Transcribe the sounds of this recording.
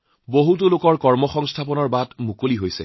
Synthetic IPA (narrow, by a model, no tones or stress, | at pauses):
boɦut̬olokɔɹkɔɹmɔxɔŋstʰapɔnɔɹbatmukoliɦojsɛ̰